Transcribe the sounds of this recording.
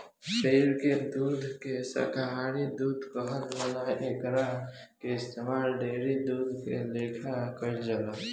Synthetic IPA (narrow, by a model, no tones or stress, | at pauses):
ʃəiɾked̪ud̪ʱkesə̰kaɦanid̪ud̪ʱkəɦəlmənaekɾa | keɪst̪emalɖeɾid̪ud̪ʱkḛlekʰakəld͡ʒəla